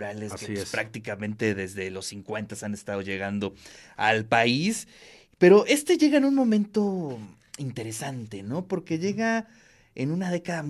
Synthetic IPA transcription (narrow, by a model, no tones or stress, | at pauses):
ɾaleskeispɾak̚t̪ikamẽ̞nt̪e̞ðe̞zðe̞lo̞sːiŋkwe̞nt̪asane̞st̪að̞o̞ʝe̞ɣand̪o̞a̰lpais | pe̞ɾo̞ʔe̞st̪e̞ʝe̞ɣaenunmõ̞mẽ̞nt̪o̞ | int̪e̞ɾe̞sant̪e̞no̞po̞ɾke̞ʝe̞ɣa | enunað̞e̞kaðam